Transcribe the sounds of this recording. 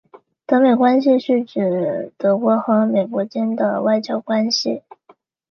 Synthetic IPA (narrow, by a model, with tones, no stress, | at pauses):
t̪ɤ˧˥me˨˩ɪkwa˥nɕ̬i˧ɕy˥˩ʈ͡ʂ̩˨˩t̪ɤ˧˥kwɔ˧˥xɤ˧˥me˨˩ɪkwɔ˧˥t͡ɕɛ˥nd̪ə̰˨wa˥˧ɪt͡ɕjɑ˥˩ʊkwa˥nɕi˨˩